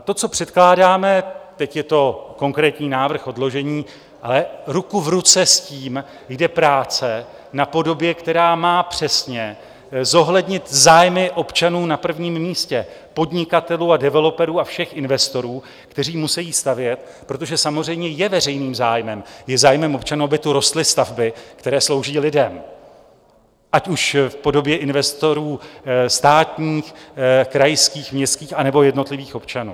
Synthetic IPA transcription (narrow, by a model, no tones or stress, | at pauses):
t̪o̞t͡so̞pr̥ɛt̪klaːdaːmɛt̪ɛcjɛt̪o̞ko̞ŋkɾɛːt̪ɲiːnaːvr̩xo̞dlo̞ʒɛɲiː | ʔalɛɾukuvɾut͡sɛsciːm | jdɛpɾaːt͡sɛ | napo̞do̞bjɛkt̪ɛɾaːmaːpr̝̥ɛsɲɛ | zo̞ɦlɛdɲɪt̪zaːjmɪʔo̞pt͡ʃanuːnapr̩vɲiːmmiːscɛpo̞dɲɪkat̪ɛluːadɛvɛlo̞pɛɾuːafʃɛxʔɪnvɛst̪o̞ɾuː | kt̪ɛr̝iːmusɛjiːst̪avjɛt̪ | pɾo̞t̪̬oʒɛsamor̝ɛjmɲɛjɛvɛr̝ɛjniːmzaːjmɛmjɛzaːjmɛmʔo̞pt͡ʃanuːabɪt̪uɾo̞st̪lɪst̪avbɪkt̪ɛɾɛːslo̞wʒiːlɪdɛm | ʔacuʃfpo̞do̞bjɛʔɪnvɛst̪o̞ɾuːst̪aːt̪ɲiːxkɾajskiːxmɲɛst̪kiːxanɛbo̞jɛdno̞t̪lɪviːxo̞pt͡ʃanṵː